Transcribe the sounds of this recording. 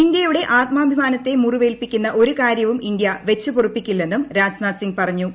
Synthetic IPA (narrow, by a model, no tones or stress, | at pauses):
ind̪jɐjuɽe̞ʔaːt̪̚maːbʱimaːnɐt̪ːe̞muriʋe̞ːlpikʲːunːɐʔo̞ɾukaːɾjɐʋumind̪jɐʋe̞t͡ɕːupurupːikʲːulːe̞nːumɾaːsnaːt̪siŋɡpɐrɐɲːu